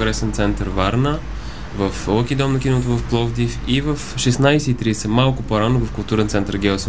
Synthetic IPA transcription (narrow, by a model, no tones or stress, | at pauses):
ɡɾɛsɛnt̪sɛnt̪əɾvaɾnə | vəfkʲid̪ɔmnɐk̟inot̪ovəfplˠɔvd̪ifivəfʃɛsnajsɛit̪ɾiɛsɛmalˠkʊpoɾanovəfkʊlˠt̪uɾɛnt̪sɛnt̪əɾɡʲɛlˠs